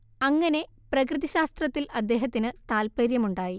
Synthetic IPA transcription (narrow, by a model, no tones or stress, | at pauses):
ɐŋːɐne̞ | prɐkrɨðɐɕaːst̪rɐt̪ːilɐd̪ːe̞ːɦɐt̪ːinɨt̪aːlpɐɾjɐmuɳɖaːji